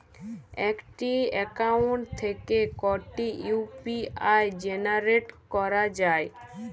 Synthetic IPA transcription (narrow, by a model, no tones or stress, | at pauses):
ɛkʈiɛkauɳʈt̪ʰekekɔʈijupiaed͡ʑenaɾeʈkɔɾad͡ʑae